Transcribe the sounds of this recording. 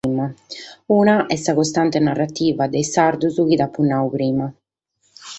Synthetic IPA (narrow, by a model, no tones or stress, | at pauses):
mauːnaʔɛsːakɔst̪ant̪enarːat̪ːiːvad̪ɛjsaɾd̪uzuk̟id̪apːunːaupɾiːma